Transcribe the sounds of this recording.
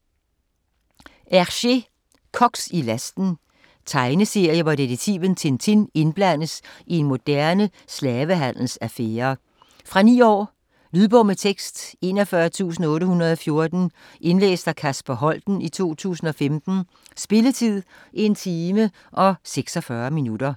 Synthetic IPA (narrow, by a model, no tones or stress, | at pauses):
ʔæɕe̝ | kʰɒ̽ɡ̥silæsd̥n̩ | t͡sʰɑ̈ɪnəse̝ɐ̰jəʋɒd̥eʁeɡ̚t͡sʰḭːʋənt͡sʰe̝nt͡sʰene̝nb̥læn̰əsie̝nmo̝d̥æɐnəslɛːʋəɦæn̰l̩sæfeːɐ | fʁɑ̈nḭːɒ̰ː | lyðˠb̥ɔm̰ət͡sʰeɡ̥sd̥e̝nɒfɶːɐt͡sʰṵːs̬n̩ɔ̽ːɾəhunɐð̞̩ˠɒ̽fjo̝ɐd̥n̩ | ʔe̝nlḛːsd̥ɑkʰæsb̥æɦɒ̽l̰d̥n̩it͡sʰo̝̰ːt͡sʰṵːsn̩ɒ̽femd̥n̩ | sb̥e̝lət͡sʰið̰ˠ | ʔient͡sʰiːmə | ʔɒ̽seɡ̥sɒfɶːɐminud̥ɐ